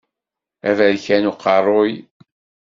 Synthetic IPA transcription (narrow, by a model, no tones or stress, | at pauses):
ævæðçænuqɑrˤoj